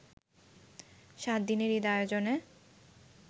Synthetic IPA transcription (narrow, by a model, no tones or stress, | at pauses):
ʃat̪̚d̪ineɾid̪aeɾd͡ʑone